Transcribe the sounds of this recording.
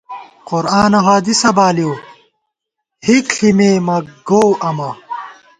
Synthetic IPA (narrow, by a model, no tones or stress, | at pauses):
qʊɾaːnɐɦaːd̪isɐbaːlijoː | hikɬimeːmɐɡoːwʔɐmɐ